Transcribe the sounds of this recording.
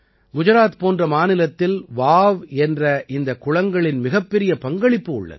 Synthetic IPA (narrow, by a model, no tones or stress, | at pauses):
ɡʊd͡ʒʊɾaːt̪poːndrɐmaːnɪlɐt̪ːɪlʋaːʋɛndrɐʔɪnd̪ɐkːʊɻɐŋɡɐɭɪnmɪɣɐpːɛɾɪjɐpɐŋɡɐɭɪpːɯʊ̰ɭːɐ̰ðɯ